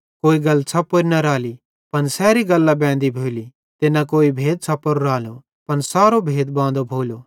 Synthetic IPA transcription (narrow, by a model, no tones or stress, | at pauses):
koːiɡɐlsʰɐpːoɾinɐɾaːli | pɐnsɛːɾiɡɐlːabɛ̃ːnd̪ibʱoːli | t̪enɐkoːibʱeːd̪̚sʰɐpːoɾɾaːlo | pɐnsaːɾobʱeːd̪bãːnd̪obʱoːloː